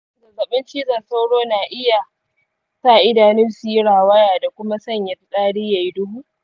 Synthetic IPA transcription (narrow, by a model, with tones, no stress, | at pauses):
zɐ˨zɐ˨ɓɪ˦nt͡ʃiː˦zɐ˨sa˦wɽoː˦naː˨ʔɪ˦ja˨ | sa˦˨ʔɪ˦daː˨nɪ˦nsu˨ji˦ɽaː˨wa˦jaː˨da˨kʷʊ˦ma˦sɐ˦˨ɲjɐ˨tɗʼaː˦ɽiː˦ja˨ji˦dʊ˦huː˦